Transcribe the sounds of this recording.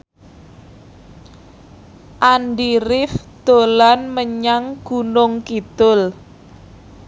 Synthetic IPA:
ʔanɖiɾɪfd̪̥o̤lanməɲaŋɡ̥unʊŋkid̪̥ʊl

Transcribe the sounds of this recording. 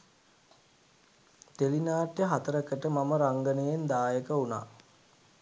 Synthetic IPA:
t̪elinaːʈjəɦat̪əɾəkəʈəmaməɾaŋɡənəjend̪aːjəkəuna̰ː

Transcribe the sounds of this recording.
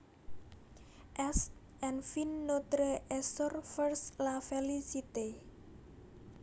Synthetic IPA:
ʔɛst̪̚ | ɛnfinːot̪ɾəʔɛsɔrfərslafelisit̪e

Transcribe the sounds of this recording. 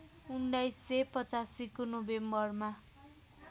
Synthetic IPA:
uɳɖajsːepʌt͡sasikunobembʌrma

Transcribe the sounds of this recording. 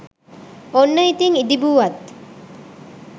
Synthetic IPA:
onːɐit̪iŋid̪ibuːʋɐt̪ː

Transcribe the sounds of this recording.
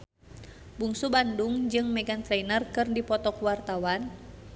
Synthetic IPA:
buŋsubanduŋd͡ʒɨŋmɛɡant̪ɾɛinərkɨrdipɔt̪ɔkuwart̪awan

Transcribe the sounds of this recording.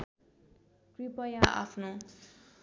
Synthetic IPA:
kripʌjaʔa̰pʰno

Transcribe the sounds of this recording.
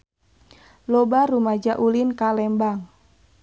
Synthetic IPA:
lɔbaɾumad͡ʒaʔulinkalɛmbaŋ

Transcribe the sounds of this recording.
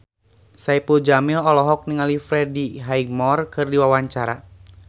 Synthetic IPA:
saipud͡ʒamilɔlɔɦɔk̚niŋalifɾɛdiɦaiɡ̚mɔrkɨrdiwawaɲt͡ʃaɾa

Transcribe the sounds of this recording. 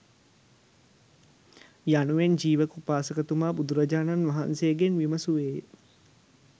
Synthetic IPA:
januʋend͡ʒiːʋəkupaːsəkət̪umaːbud̪uɾɐd͡ʒaːnanʋaɦa̰nsejəɡenʋimɐsuʋeːjə

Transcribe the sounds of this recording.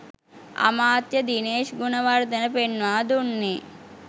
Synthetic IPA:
a̰maːt̪jəd̪ineːʃɡunɐʋaɾd̪ənəpenːʋaːd̪unːi

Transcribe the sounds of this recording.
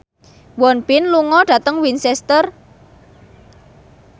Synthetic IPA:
wɔnpɪnluŋɔɖ̥ä̤t̪əŋwinsɛst̪ər

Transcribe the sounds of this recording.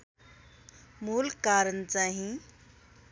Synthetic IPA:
muːlkaɾənt͡saɦĩ

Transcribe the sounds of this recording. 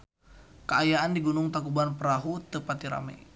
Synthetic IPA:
kəajaandiɡunʊŋt̪akubanpəɾaɦut̪əpat̪iɾa̰mɛ̰

